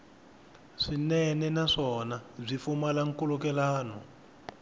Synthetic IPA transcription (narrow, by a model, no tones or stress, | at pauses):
ʂinɛnɛnaʂɔnazʷifumalaŋ̩kulukɛlaːnɔ̰